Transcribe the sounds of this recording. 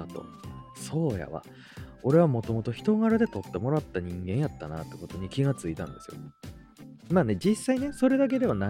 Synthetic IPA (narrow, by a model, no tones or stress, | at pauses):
at̪o̞̰so̞ːja̰βa̰ | o̞ɾe̞β̞amo̞t̪o̞mo̞t̪o̞çi̥t̪o̞ɡaɾad̪e̞t̪o̞t̪ːe̞mo̞ɾat̪ːaɲ̟ĩŋɡẽ̞ɰ̃jat̪ːana̰t̪ːe̞ko̞t̪o̞ɲ̟ikʲiɡat͡sɨit̪ã̰nd̪e̞sɨjo̰ | maːne̞d͡ʑisːaine̞so̞ɾe̞d̪ak̬e̞d̪e̞βana